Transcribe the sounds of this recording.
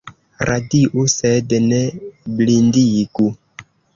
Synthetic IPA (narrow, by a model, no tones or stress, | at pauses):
ɾadiʔusedneblindiɡu